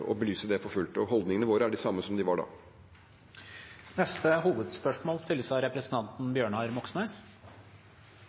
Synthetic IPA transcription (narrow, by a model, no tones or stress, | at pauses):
ɔ̰bəlyːsəd̪ɛfɔfʉlt̪ɔɦɔld̪nɪŋənəʋoːɾəæɖɪsɑmːəsɔmd̪ɪʋɑɖɑ̰ː | nɛst̪əhuːʋəd̪spœʂmoːlst̪ɪlːəsɑɪɾɛpɾəsənt̪ɑnt̪n̩bjøːɳɑɾmɔksneːs